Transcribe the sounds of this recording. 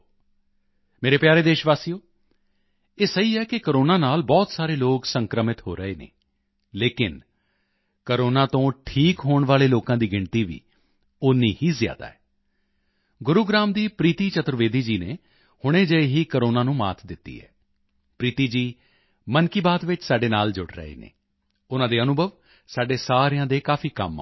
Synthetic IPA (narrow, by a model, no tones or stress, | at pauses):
meːɾeːpjaːɾeːd̪eːʃʋaːsijoː | eːsəiːɛːkɪkəɾoːnaːnaːlbɔːt̪saːɾeːloːksəŋkɾəmɪt̪ɦo̰ːɾəeːnḛː | leːkɪn | kəɾoːnaːt̪õːʈʰiːkɦoːɳ̃ʋaːleːloːkãːd̪iːɡɪɳt̪iːʋḭː | ʊniːhiːzja̰ːd̪a̰ːɛː | ɡʊɾuːɡɾaːmd̪iːpɾiːt̪iːt͡ʃət̪ːɾəʋeːd̪iːd͡ʒiːneː | hʊɽ̃eːd͡ʒəeːɦiːkəɾoːnaːnũːma̰ːt̪ʰd̪ɪt̪ːḭːɦɛ̰ː | pɾiːt̪iːd͡ʒiː | mənkiːbaːt̪ʋɪt͡ʃsaːɖeːnaːld͡ʒʊɽɾə̰ḛːnḛː | ʊnãːd̪eːənʊbʱəʋ | saːɖeːsaːɾejãːd̪eːkaːfʰiːkə̰ma̰ː